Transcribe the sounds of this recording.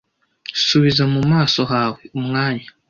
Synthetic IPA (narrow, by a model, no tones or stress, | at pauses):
suβizamumaːso̞ɦaːweumŋaːɲa